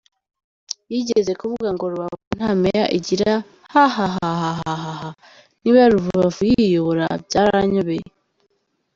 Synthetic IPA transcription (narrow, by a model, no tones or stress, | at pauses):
jiɟeze̞kuβuɡaŋɡoɾuβakun̥hamejaʔiɟiɾa | hahaɦaɦaɦaɦaɦa | niβaɾuvuβavujijoɾa̰bjaɾaɲoβeje